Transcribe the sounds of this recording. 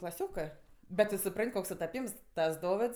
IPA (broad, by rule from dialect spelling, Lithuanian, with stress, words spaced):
klˠɐˈsʲoːkɜ ˈbʲɛt tʊ sʊˈprɐnʲtʲ ˈkoːks sʊtɐˈpʲiːms ˈtɐs ˈdoːʋʲɪts